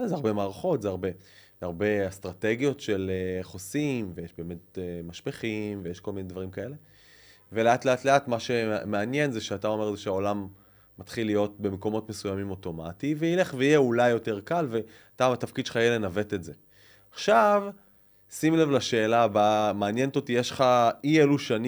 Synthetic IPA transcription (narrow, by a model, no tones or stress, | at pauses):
azeaʁbe̞maːʁaχo̞tzeaʁbe̞ | aʁbe̞astʁateɡjo̞tʃe̞leχosimvejeʃbeːme̞t̚emaʃpeχimvejeʃko̞lminedvaʁimkaele̞ | veleatle̞atle̞atmaʃe̞meanje̞nzeʃeatao̞me̞ʁezeʃeao̞lamː | atχilːijo̞t̚be̞meko̞mo̞tmesujamimo̞to̞mativeileχveijeulajːo̞te̞ʁkalve̞ | ataat̪afkid̪ʃe̥χaijelenave̞tetze | aχʃav | simlevlaʃe̞ːlabamaːnjent̪o̞tijeʃχaieluʃan